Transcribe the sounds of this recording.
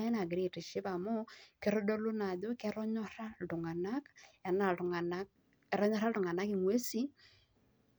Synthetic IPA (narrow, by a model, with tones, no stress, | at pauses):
e˦na˨ɡɪ˨ɾi˨ti˨ʃɪ˦pa˨mo˦ke˦ɾo˦do˦lʊ˦na˨ðo˦kɛ˦ɾɔ˦ɲɔ˦ɾa˦ltʊ˨ŋa˨na˦ka˨na˨tʊ˨ŋa˨na˦k̚ | ɛ˨ɾɔ˦ɲɔ˦ɾa˦ltʊ˨ŋa˨na˦kɪ˨ŋwe˦si˦